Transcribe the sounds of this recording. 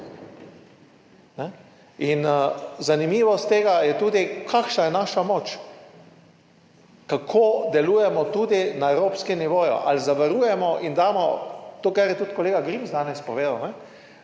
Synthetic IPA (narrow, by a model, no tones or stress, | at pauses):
nɛ | inzanimiːʋɔst̪ːeːɡajɛt̪uːd̪ikʰakʃnajɛnaːʃamot͡ʃ | kakʰoːd̪ɛluːjɛmɔt̪uːd̪inaɛwɾoːpskɛmniʋoːjṵʔa̰lzaʋaɾuːjɛmɔʔind̪aːmɔ̰t̪oːkaɾjɛt̪ut̪kɔleːɡaɡɾimzd̪aːnɛspɔʋeːd̪awnɛ